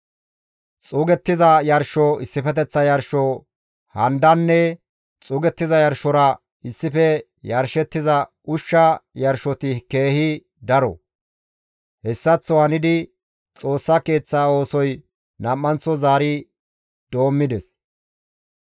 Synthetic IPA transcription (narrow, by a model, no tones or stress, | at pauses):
t͡sʼuːɡɛt̪ːɪzɐjɐɾʃɔɪsːɪfɛt̪̬ɛt͡sːɐjɐɾʃɔ | hɐnd̪ɐnːɛ | t͡sʼuːɡɛt̪ːɪzɐjɐɾʃɔɾɐ | ɪsːɪfɛ | jɐɾʃɛt̪ːɪzɐ | ʊʃːɐjɐɾʃɔt̪ɪke̞ːhɪ | d̪ɐɾɔ̰ | hɛsːɐt͡sːɔhɐnɪd̪ɪ | t͡sʼo̞ːsːɐke̞ːt͡sːaːo̞ːsɔj | nɐmːɐnt͡sːɔzaːɾɪ | d̪̥o̞ːmːɪd̪ɛs